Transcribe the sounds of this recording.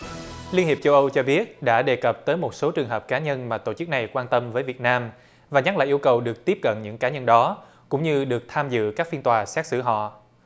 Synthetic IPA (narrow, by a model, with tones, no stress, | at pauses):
li˧ənhi˨˩t͡ɕə˧wʔə˧wt͡ɕɔ˧ɓi˦˥ət̚ɗa̰ː˧˥ɗe˨˩kə˨˩p̚t̪əː˨˦jmo˨˩t̚so˨˦t͡ɕɨ˨˩əŋɦəː˨˩p̚kaː˨˦ɲə˧nmaː˨˩t̪o̰˧˩t͡ɕɨ˦˥k̚na˨˩jkwaː˧nt̪ə˧mvəː˨˦jvi˨˩ət̚naː˧m | vaː˨˩ɲa˦˥la̰ː˨˩ʔəwkə˨˩wɗɨ˨˩ək̚t̪i˦˥əp̚kə̰˧˨nɲɨ̰˧˥ŋkaː˨˦ɲə˧nɗɔ˨˦ | kʊ̰˧˥ŋ͡mɲɨ˧ɗɨ˨˩ək̚t̪ʰaː˧mzɨ̰˧˨kaː˦˥k̚fi˧ənt̪waː˨˩saː˦˥t̚sɨ̰˧˩ɦɔ̰˧˨